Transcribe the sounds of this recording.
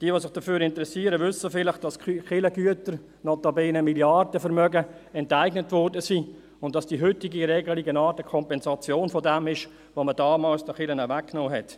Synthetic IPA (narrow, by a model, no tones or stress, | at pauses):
d̥iːəʋoːsɪχd̥əfyːɾɪntəɾɛsiəɾəvʏsːəfɪlɪχd̥ɑsχɪləɡyətəɾ | nɔtɑbeːnəmiljɑrdəfɛɾmœɡəɛntaɪɡnətvɔrdəsiː | ʊntdɑsd̥iːɦʏtɪɡiɾɛːɡəliɡənɑːtəkʰɔmpɛnzɑt͡sjoːnfɔdɛmɪʃ | ʋomədɑːmɑːlsdəχɪlənavækːnoːɦɛt